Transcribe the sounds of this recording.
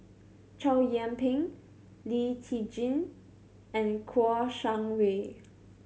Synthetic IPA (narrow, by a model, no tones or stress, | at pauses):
t͡ʃʰaʊjɛ̃mpʰɪ̃ŋ | litʰid͡ʒĩn | ɛ̃nkʰɔʃãŋwe